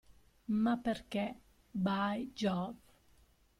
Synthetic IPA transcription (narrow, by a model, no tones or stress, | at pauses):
mapːerkɛ | bajd͡ʒɔv